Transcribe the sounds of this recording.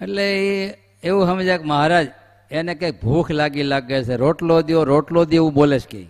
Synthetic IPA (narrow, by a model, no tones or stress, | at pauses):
eʈlee | eʋũɦəmed͡ʒekməɦaɾad͡ʒ | enekejk̚bʱukʰlaɡilaɡet͡ʃʰeɾoʈlod̪ioɾoʈlod̪ieʋũboleʃkḛi